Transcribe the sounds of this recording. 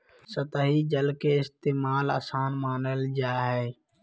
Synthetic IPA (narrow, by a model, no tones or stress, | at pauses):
sət̪aːɦiːd͡ʒəlkeːɪst̪eːmaːla̰ːsaːnmaːnəld͡ʒaːɦɛː